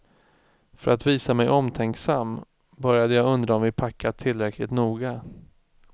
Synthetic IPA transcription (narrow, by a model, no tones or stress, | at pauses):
fœɾat̪viːsamɛjʔɔmt̪ʰɛŋksamː | bœɾjad̪əjaːɵnd̪ɾaɔmvɪpʰakʰːat̪ʰɪlːɾɛkʰlɪt̪nuːɡa